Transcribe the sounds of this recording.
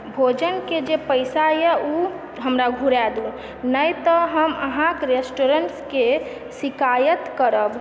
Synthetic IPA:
bʱod͡ʒənked͡ʒepəɪsajɛu | ɦəmɾaɡʱuɾɛd̪un | nəjt̪əɦəməɦãkɾesʈoɾəɳʈske | sɪkajət̪kəɾəb

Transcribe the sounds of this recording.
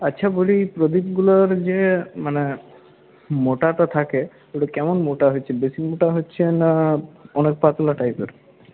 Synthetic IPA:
atːɕʰabolipɾod̪ib̚ɡuloɾd͡ʑemane | moʈaʈat̪ʰake | oʈukɛmonmoʈaɦot͡ɕʰebesimoʈaɦoːt͡ɕʰenaɔnek̚pat̪olaʈajpeɾ

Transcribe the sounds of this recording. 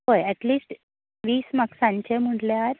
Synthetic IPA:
ɦojɛʈliːsʈ | ʋiːsməksãɲt͡ɕem̤uɳɖljɾ

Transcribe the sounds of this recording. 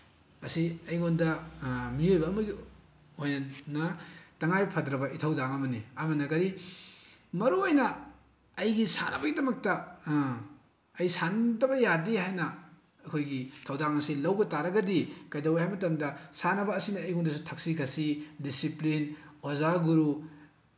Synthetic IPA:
ɐsiɐjŋondɐmiojbɐːmɐɡi | ojnɐnɐtɐŋajpʰɐdɾɐbɐitʰɐwdaŋɐmɐniɐmɐnɐkɐɾi | mɐɾuojnɐː | jɡisa̰nɐbɐɡidɐmɐk̚tɐ | ɐjsandɐbɐjadihajnɐː | kʰojɡitʰɐwdaŋɐsilɐwbɐtaɾɐɡɐdikɐjdɐwhajmɐtɐmdɐsanɐbɐːsinɐːjondɐs̬utʰɐk̚sikʰɐsidisiplinozaɡuɾu

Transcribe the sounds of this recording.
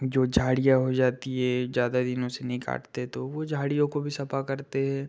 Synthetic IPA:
d͡ʒoːd͡ʒʱaːɽijaɦod͡ʒaːt̪iɦɛzjaːd̪ad̪ɪnõsenɐɦĩka̰ːʈt̪eɦɛ̃t̪oʋod͡ʒʱaːɽijõkobʱisɐpakɐɾt̪eɦɛ̃ː

